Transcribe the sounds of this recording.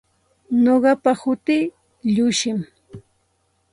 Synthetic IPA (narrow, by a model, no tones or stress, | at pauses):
noɢɑpahʊt̪ɪ | ʎʊʃɪm